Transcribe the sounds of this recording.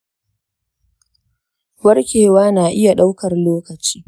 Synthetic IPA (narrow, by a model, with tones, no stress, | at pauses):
wɐ˦rkʲeː˨waː˦naː˨ʔɪ˦ja˨ɗa˦wkɐ˨rloː˦kɐ˨t͡ʃi̥ː˦